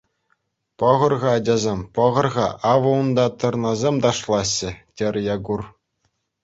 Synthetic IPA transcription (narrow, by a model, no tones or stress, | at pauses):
pɤ̆ʁɤ̆rʁɑːd͡ʑɑzʲemʲpɤ̆ʁɤ̆rʁɑʔɑʋɤ̆und̪ɑt̪ɤ̆rnɑzʲemʲd̪ɑʂlˠɑɕːɘ̆tʲĕrʲjɑɡur